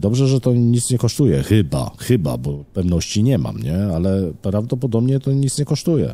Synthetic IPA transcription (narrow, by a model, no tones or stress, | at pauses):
d̪ɔbʐɛʐɛt̪ɔɲit̪sɲɛkɔʂt̪ujɛxɘba̰xɘba̰bɔpɛvnɔɕt͡ɕiɲɛma̰mɲɛalɛpɾavd̪ɔp̬ɔd̪ɔbɲɛt̪ɔɲit̪sɲɛkɔʂt̪ujɛ̰